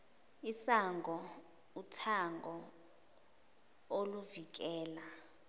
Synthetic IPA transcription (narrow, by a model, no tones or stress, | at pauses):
isaŋɡʱɔ | utʰaŋɡʱɔ | oluvik̬ɛːla